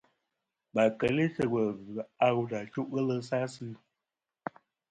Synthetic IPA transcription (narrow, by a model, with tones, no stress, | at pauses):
ba˨kə˨˦li˦tə˦wə˨vʉ˨a˦ɣu˦da˨t͡ʃu˦ʔɣə˦lə˦sa˦sɨ˦˨